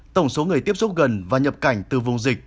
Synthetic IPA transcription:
t̪ə˧˩wŋ͡mso˨˦ŋɨ˨˩əjt̪i˦˥əp̚su˦˥p̚ɣə˨˩nvaː˨˩ɲə˨˩p̚ka˧˩jŋ̟t̪ɨ˨˩vʊ˨˩ŋ͡mzï˨˩k̚

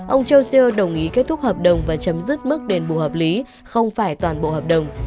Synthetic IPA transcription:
ʔə˧wŋ͡mt͡ɕə˧wsi˧ə˧ɗə˨˩wŋ͡mʔi˨˦ke˦˥t̚t̪ʰʊ˦˥k͡p̚həː˨˩p̚ɗə˨˩wŋ͡mvaː˨˩t͡ɕə˨˦mzɨ˦˥k̚mɨ˦˥k̚ɗe˨˦nɓṵ˧˨həː˨˩p̚li˨˦ | xə˧wŋ͡mfaː˧˩jt̪waː˨˩nɓo̰˧˨həː˨˩p̚ɗə˨˩wŋ͡m

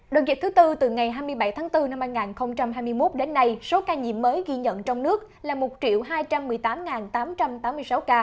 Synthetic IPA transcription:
ɗo̰ː˨˧˩vi˨˩t̪ʰɨ˨˦t̪ɨ˧t̪ɨ˨˩ŋa˨˩jɦaː˧jmɨ˧əjɓa˧˩jt̪ʰaː˨˦ŋt̪ɨ˧na˧mhaː˧jŋaː˨˩nxə˧wŋ͡mt͡ɕa˧mɦaː˧jmɨ˧əjmo˦˥t̚ɗe˨˦nːa˧jso˨˦kaː˧ɲḭ˧˨əmːəː˨˦jɣi˧ɲə̰˧˨nt͡ɕɔ˧wŋ͡mnɨ˦˥ək̚ | laː˨˩mo˨˩t̚t͡ɕḭ˧˨əwɦaː˧jt͡ɕa˧mːɨ˨˩əjt̪aː˨˦mŋaː˨˩nt̪aː˨˦mt͡ɕa˧mt̪aː˨˦mːɨ˧əjsa˨˦wkaː˧

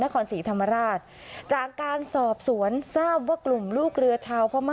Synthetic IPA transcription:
na˦˥kʰɔː˧nsiː˩˦t̪ʰa˧mːa˧ɾaː˥˩t̪̚ | t͡ɕaː˨˩kːaː˧nsɔː˨˩p̚su˩˦ənsaː˥˩p̚waː˥˩klu˨˩mluː˥˩k̚ɾɯ˧ɐt͡ɕʰaː˧wpʰɾɔ˧˥ma˦˥

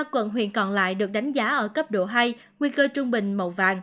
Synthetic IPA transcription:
aː˧kwə̰˧˨nɦwḭ˧˨ənkɔ˧˨˩nla̰ː˧˨jɗɨ˨˩ək̚ɗa˨˦jŋ̟zaː˨˦ʔəː˧˩kə˦˥p̚ɗo˧˩ɦa˧j | ŋwi˧kəː˧t͡ɕʊ˧ŋ͡mɓï˨˩ŋ̟mə̰˧˩wva̰ː˧˨˩ŋ

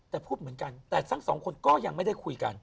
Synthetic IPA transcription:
t̪ɛː˨˩pʰuː˥˩t̪̚mɯ˩˦ənka˧nt̪ɛː˨˩t̪ʰa˦˥˩ŋsɔː˩˦ŋkʰo˧nkɔː˥˩ja˧ŋma˥˩jda˥˩jkʰu˧jka̰˧n

